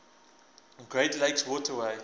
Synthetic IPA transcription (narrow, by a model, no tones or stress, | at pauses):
nɡɹeɪtleɪkswɔːtəweɪ